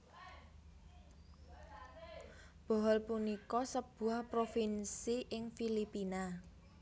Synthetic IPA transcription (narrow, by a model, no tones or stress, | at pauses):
b̥ɔ̤ɦɔlpunikɔsəb̥ṳahpɾofinsiʔɪŋfilipina